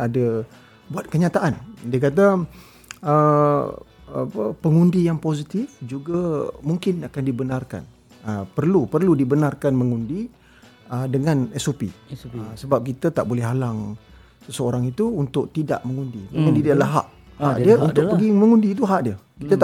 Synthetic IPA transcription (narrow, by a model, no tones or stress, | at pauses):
ada | buat̪̚kəɲat̪aʔandiək̬at̪̬a | ə | əpəŋundijaŋposit̪ɪfd͡ʒuɡamuŋkɪnakandibənarka̰n | əpərlupərludibənarkanməŋundi | ədəŋãnɛsopḭsəbap̚kit̪ət̪aʔbolɛɦalaŋ | səsəoɾaŋit̪uːnt̪ʊʔ̚t̪ida̰ʔməŋundiməŋundidiəʔlaɦa̰ʔ | haʔdiəunt̪ʊk̚pəɡimə̃ŋundiːt̪̬uɦaʔdiəkit̪ət̪